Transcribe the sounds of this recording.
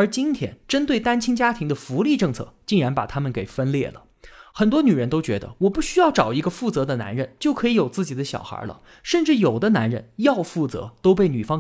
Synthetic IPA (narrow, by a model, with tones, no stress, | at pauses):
ə˞˧˥t͡ɕi˥nt̪ʰjɛ̰˥nʈ͡ʂə˥nt̪we˥˩ɪt̪a˥nt͡ɕʰi˥ŋt͡ɕja˥t̪ʰi˧˥ŋd̪ə˧fu˧˥li˥˧ʈ͡ʂɤ˥˧ŋt͡sʰɤ̰˥˧t͡ɕi˥˩ŋɻa˧˥npa˨˩t̪ʰa˥mə˨nke˨˩ɪfə˥nljɛ̰˥˩lə̰˩ | xə˨˩nt̪wɔ˥ny˨˩ɻə˧˥nt̪o˥ʊt͡ɕɥɛ˧˥d̪ə̰˧wɔ˨˩pu˥˩ɕy˥jɑ˥˩ʊʈ͡ʂɑ˨˩ʊi˧˥ɡə˧fu˥˩t͡sɤ˧˥d̪ə˧na̰˧˥nɻə˧nt͡ɕjo˥˩ʊkʰɤ˧˥i˧˥jo˨˩ʊt͡sɹ̩˥˩t͡ɕi˨˩d̪ə˦ɕjɑ̰˨˩ʊxə̰˞˧˥lə̰˧ | ʂə˥˧nʈ͡ʂɻ̩˥˩jo˨˩ʊd̪ə˦na˧˥nɻə̰˧njɑ˥˧ʊfu˥˩t͡sɤ̰˧˥t̪o˥ʊp̬e˥˩ɪny˨˩fɑ˥ŋ